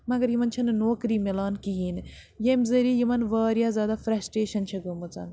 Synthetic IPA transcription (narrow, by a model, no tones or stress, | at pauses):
mɐɡɐɾjimɐnt͡ʃʰɐnnoːkɾiːmelaːnkiɦiːn | jemzɐɾiːjimɐnʋaːɾjaːzjaːd̪aːfɾɐsʈeːʃɐnt͡ʃʰɐɡɐmɐt͡sɐ̰n